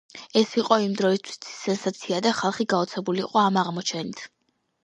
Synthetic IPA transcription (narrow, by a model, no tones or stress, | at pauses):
ɛsiqʼɔimd̪ɾɔist̪ʰwi̥st̪sʰi̥sɛnsat̪sʰiad̪aχalˠχiɡaɔt̪sʰɛbuliːqʼɔamaʁmɔt͡ʃʰɛnit̪ʰ